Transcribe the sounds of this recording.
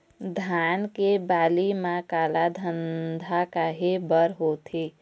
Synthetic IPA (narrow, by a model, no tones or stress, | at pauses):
d̪ʱankebalimãkalad̪ʱənd̪ʱakaɦebəɾɦot̪ʰi